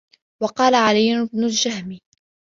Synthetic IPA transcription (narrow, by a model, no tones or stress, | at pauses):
wɑqɑːlaʕalijːʊnbnʊld͡ʒahmi